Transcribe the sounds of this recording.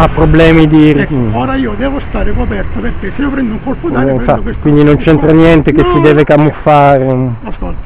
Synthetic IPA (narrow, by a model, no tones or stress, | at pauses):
apːɾoblɛːmid̪iɔːɾaiːod̪ɛːvost̪aːɾekoapɛrt̪opeɾkeseiːopɾɛnd̪ouŋkolpoɱfakeskkind̪inont͡ʃɛnt̪ɾanjɛnt̪ekesːid̪ɛːvekamːufːaːɾeaskol